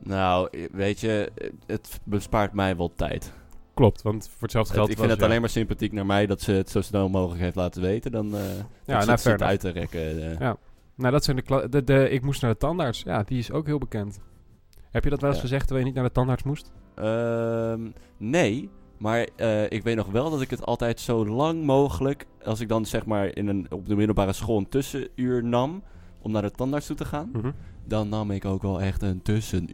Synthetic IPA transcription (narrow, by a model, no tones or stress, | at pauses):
nawʋejtəətbəspaːɹtmɛjʋɛlˠtɛ̰jtklɔp̚tʋɑntfʊːɹtsɛlˠfdəχɛlˠɪnətallejnmaɹsɪmpatiknaːɹmɛjdɑtsəətsowsədɔnmowχələkɦejftlaːtəʋejtədɑnjanaɹœ̰ɥtərɛ̰kəja | nowdɑtsɛjndəklɑdədəɪk̚musnaːdətɑndaːɹtsja̰ːdiɪsowkɦɪːlˠbəkɛnt | ɦɛpjədɔtʋɛlˠɪsχəzɛχtʋɛljənit̚naːɹdətɑndaːɹtsmustʔəmnejmaːɹəɪkʋejt̚nɔχʋɛlˠdɑtɪkətɑ̰lˠtɛjtsowlɑŋmowχələkɑlˠsɪɡ̚dɑnsɛχmaːɹɪ̰nənɔpdəmɪdl̩ˠbaːɾəsχolˠəntɵsəyːɹnɑm | ʔɔmnaːɹdətɑndaɹtstutəχaːndɑnːɑmɪkowkʋɛlˠɛχtəntɵsən